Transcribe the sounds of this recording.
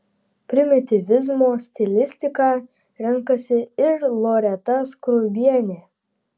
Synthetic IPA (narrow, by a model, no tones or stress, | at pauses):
pʲɾʲɪmʲɪt̪ʲɪʋʲɪzmoːsʲt̪ʲɪlʲɪsʲt̪ʲɪkɑː | ɾʲɛŋkɐsʲɪɪɾlˠoɾʲɛt̪ɐskɾʊbʲiɛnʲeː